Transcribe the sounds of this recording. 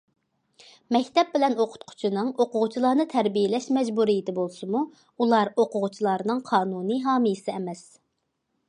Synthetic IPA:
mɛkʲt̪ɛp̚bɪlɛnoqʰʊ̥t̪̚qʰʊ̥t͡ʃʰinɨŋoqʰʊʁʊt͡ʃʰilˠɑɾnɨt̪ʰɛɾbijɪlɛʃmɛd͡ʒbuɾijɪt̪ʰɪbolˠsɨmu | ulˠɑɾoqʰʊʁʊt͡ʃʰilˠɑɾnɨŋqʰɑːnunɨɦɑːmɨjɪsɪɛmɛs

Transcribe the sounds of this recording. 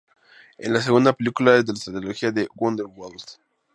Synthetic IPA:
ḛnlas̬eɣund̪apelikulaezðelast̪ɾat̪ɾeloxiaðewond̪elwals

